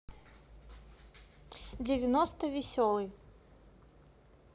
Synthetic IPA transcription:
d͡zʲɪvʲɪnɔst̪ɐvʲɪsʲɔlˠɨj

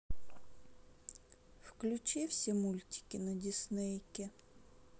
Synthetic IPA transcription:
wklʲʊt͡ʃɪwsʲɐmulʲtʲi̥kʲɪnɐdʲisnɪjkʲɪ

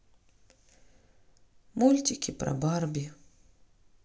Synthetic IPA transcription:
mulʲt̪ʲɪkʲipɾɐ̰barbʲi

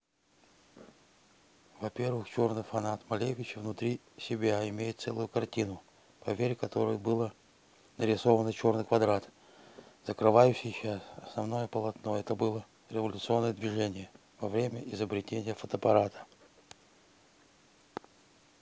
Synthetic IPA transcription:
vɐpʲe̞rvɨxt͡ɕo̞rnɨjfɐnat̪mɐlʲevʲɪt͡ɕɪvnʊt̪ɾʲi | sʲɪbʲaɪmʲejɪt̪t̪sɛlˠʊjʊkɐrtʲinʊ | pɐvʲeɾʲɪkɐt̪o̞ɾəjəbɨlˠə | nəɾʲɪso̞vənət͡ɕo̞rnɨjkvɐd̪ɾat̪ | z̥əkɾɨvajʉɕːɪjɕasɐsnɐvno̞jəpəlˠɐt̪no̞ɛt̪əbɨlˠə | ɾʲɪvɐlʲʊt̪sɨo̞nːəjəd̪vʲɪʐɛnʲɪjə | vɐvɾʲemʲəʔɪzəbɾʲɪtʲenʲɪjəfət̪əpɐɾat̪ə̥

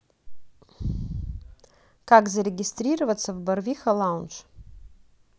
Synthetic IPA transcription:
kakzaɾʲeɡʲɪstɾʲirəvat̪t͡s̪ʰɐvbarvʲixalˠawnt͡ʃ

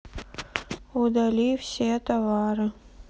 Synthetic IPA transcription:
ʊd̪ɐlʲifsʲet̪ɐvaɾɨ

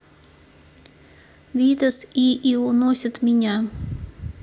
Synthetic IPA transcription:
vʲid̪əsiʔiunosʲət̪mʲɪnʲa

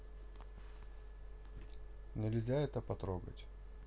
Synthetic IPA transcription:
nʲɪlʲzʲaɛt̪əpɐt̪ɾoɡə̰tʲ

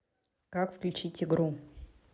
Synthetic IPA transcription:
kakfklʲʉt͡ɕitʲɪɡɾu

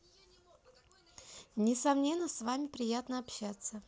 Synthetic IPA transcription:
nʲɪsɐmnʲe̞nːəsvamʲɪpɾʲɪjat̪nəɐpɕat̪sːə

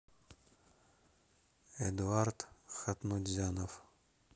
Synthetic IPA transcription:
ɛd̪art̪xat̪nud̪ʲzʲanof

